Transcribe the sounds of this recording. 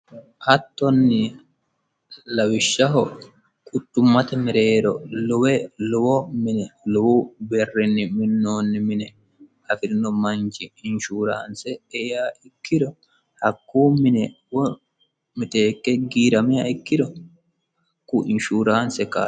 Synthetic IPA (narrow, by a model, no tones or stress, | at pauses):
hɐt̪ːɔnːɪ | lɐwɪʃːɐɦɔ | kʼʊt̪ːʊmːɐt̪ɛmɛɾe̞ːɾɔlʊwɛlʊwɔmɪnɛlʊwubɛrːɪnːɪmɪnːoːnːɪmɪnɛ | ɐfɪɾɪnɔmɐnt͡ʃɪɪnʃuːɾa̰ːnsɛejaːɪkːɪd̪ɔ | hɐkːuːmɪnɛ | wɔ | mɪt̪eːkːɛɡiːɾɐmɪjaɪkːɪd̪ɔ | hɐkːuːɪnʃuːɾaːnsɛka̰ː